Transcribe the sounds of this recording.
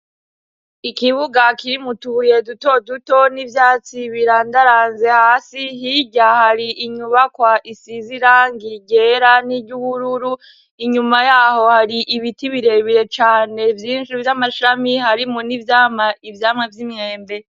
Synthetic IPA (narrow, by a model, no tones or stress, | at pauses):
ikiβuɡakiɾimutujeduto̞duto̞nivjaːt͡siβiɾandaɾaːnze̞haːsihiɟahaɾiiɲuβakwaʔisiziɾaŋɡiɟe̞ɾaniɟuβuɾuɾu | iɲumajaːho̞haɾiʔiβitiβiɾe̞βiɾe̞t͡ʃaːne̞vjiːnʃivjamaʃamihaɾimonivjaːmaivjaːmŋevjimŋeːmbe̞